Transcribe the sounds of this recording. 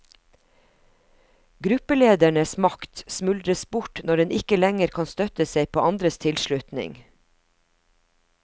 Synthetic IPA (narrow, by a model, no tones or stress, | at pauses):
ɡɾʉpəleːd̪æɳəsmɑkt̪smʉld̪ɾəsbʊʈnɔɖɛnɪkəlɛŋəɾkʰɑːnst̪œt̪əseɪpʰoːʔɑnd̪ɾəst̪ʰɪlʃlʉt̪nɪ̰ŋ